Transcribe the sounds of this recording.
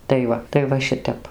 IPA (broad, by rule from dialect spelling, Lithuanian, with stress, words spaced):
tɐɪ ˈʋɐ tɐɪ ˈʋɐ ˈʃʲɪtʲɛp